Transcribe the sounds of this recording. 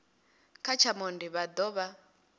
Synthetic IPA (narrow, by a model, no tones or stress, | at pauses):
kʰat͡ʃʰamɔndiβad̪ɔβa